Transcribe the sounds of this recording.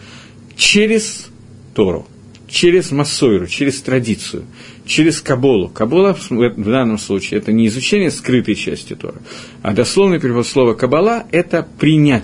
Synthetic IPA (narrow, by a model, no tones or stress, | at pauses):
t͡ɕeɾʲɪs | t̪oɾʊ̰ | t͡ɕeɾʲɪzmɐsːoɪɾʊt͡ɕeɾʲɪst̪ɾɐdʲit̪sɨ̰jʊ̰ | t͡ɕeɾʲɪskɐbolˠʊ̰kɐbolˠəsɛvd̪anːəmslˠut͡ɕɪːɛt̪ənʲɪːzʊt͡ɕenʲɪjəskɾɨt̪əjt͡ɕæ̰sʲtʲɪt̪o̞̰ɾɨ̰ | ɐ̰d̪ɐslˠo̞vnɨjpɾʲɪxot̪slˠo̞vəkəbɐlˠaɛt̪əpɾʲɪnʲæ